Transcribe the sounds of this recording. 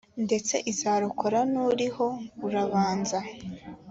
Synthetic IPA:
nde̞t͡se̞̰ʔizaːɾuko̞ɾanuɾiho̞uɾaβaːnza

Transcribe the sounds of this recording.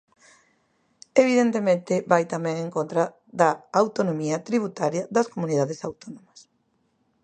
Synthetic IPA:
eβ̞iðent̪emẽnt̪ɪβajt̪amɛ̃ŋẽŋkõnt̪ɾɐ | ðɐawt̪onomiɐt̪ɾiβ̞ut̪aɾjɐðɐskomũniðaðesawt̪onomɐs

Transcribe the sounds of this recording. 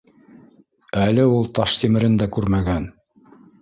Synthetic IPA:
ælɘulˠt̪ɑʃt̪imɘ̆ɾɘnd̪ækʉɾmæɡæn

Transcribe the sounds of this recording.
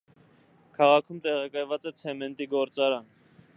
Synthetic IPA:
kʰɑʁɑkʰumt̪ɛʁɑkɑjvɑt͡sɛt͡sʰɛmɛnt̪iɡɔɾt͡sɑɾɑn

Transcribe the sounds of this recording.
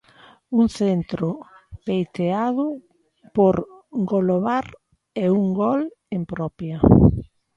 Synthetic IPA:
uŋθent̪ɾʊpejt̪eaðʊ | poɾ | ɡoloβaɾ | euŋɡɔl | empɾɔpjɐ

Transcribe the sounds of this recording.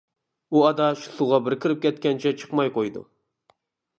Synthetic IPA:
uɑd̪ɑʃu̥sʊʁɑbɪɾkʲʰɪɾɪp̚kʲɛt̪̚kʲɛnt͡ʃʰɛt͡ʃʰə̥qmɑjqojd̪ṵ

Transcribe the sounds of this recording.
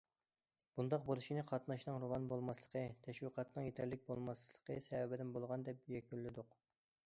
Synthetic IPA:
b̥und̪ɑq̚boɾuʃinɨqʰɑt̪nɑʃnɨŋɾovɑnbolˠmɑslˠə̥qʰət̪ʰɛʃwiqɑt̪nɨŋjet̪ʰæɾlɪk̚ʲbolˠmɑsllˠə̥qʰəsɛwɛbɪd̪ɪnbolˠʁɑnd̪ɛp̚jɛkʲynlːɪd̪ʊq

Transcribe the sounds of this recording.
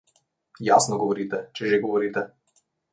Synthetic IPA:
jasnɔɡɔvɔɾit̪ɛt͡ʃɛʒɛɡɔvɔɾit̪ɛ

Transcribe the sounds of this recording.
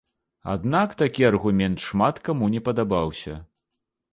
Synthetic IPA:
a̰d̪nakt̪akʲiɐrɣumʲɛnt̪ʂmat̪kamunʲɛpɐd̪abawsʲɐ̰

